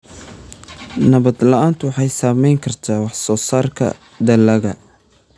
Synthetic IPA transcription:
nɐβɐd̪lɐaːnt̪ʰʊwɑħɑjsaːmɛjŋkʰɐrt̪ʰaːwɑħsɔːsaːrkʰɐ̰ | d̪ɐlɐɣɐ

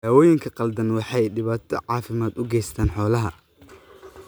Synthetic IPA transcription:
aːwɔːjɪŋkʰɐqɐld̪ɐnwɑħɑjɖɪβaːt̪ʰɔ̰ʕɑːfɪmaːd̪ʊɡɛjst̪ʰaːnħɔːlɐɦɐ

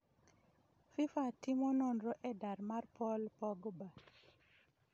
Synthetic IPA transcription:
fifatimɔnɔnɾɔʔɛdaɾmarpɔlpɔɡba

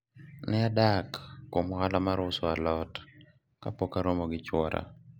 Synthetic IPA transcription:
nɪadakːomhalamaɾʊsɔalɔt | kapokaɾomoɡɪt͡ʃwɔɾa̰

